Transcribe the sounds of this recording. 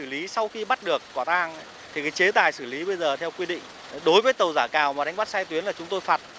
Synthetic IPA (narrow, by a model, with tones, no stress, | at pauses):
ɨ˧˩li˨˦sa˧wxi˧ɓa˦˥t̚ɗɨ˨˩ək̚kɔ˧˩t̪aː˧ŋ | t̪ʰi˨˩kaː˨˦jt͡ɕe˨˦t̪aː˨˩jsɨ˧˩li˨˦ɓə˧jzəː˨˩t̪ʰɛ˧wkwi˧ɗḭ̈˧˨ŋ̟ | ɗo˨˦jvəː˨˦jt̪ə˨˩wzaː˧˩kaː˨˩wmaː˨˩ɗa˧jŋ̟ɓa˦˥t̚sɛ˧jt̪wi˨˦ənlaː˨˩t͡ɕʊ˨˦ŋ͡mt̪o˧jfaː˨˩t̚